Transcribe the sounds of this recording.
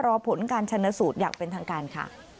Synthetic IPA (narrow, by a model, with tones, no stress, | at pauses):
ɾɔː˧pʰo˨˦nkaː˧nt͡ɕʰa˧na˦˧˥suː˨˩t̪̚jaː˨˩k̚pe˧nt̪ʰaː˧ŋkaː˧nkʰa̰˥˩